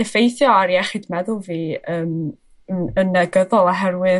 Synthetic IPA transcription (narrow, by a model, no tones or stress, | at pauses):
ɛfejθjɔaɾiɛχidmɛðʊlˠviːəːm | nənəɡəðɔlˠaɦɛrwɨ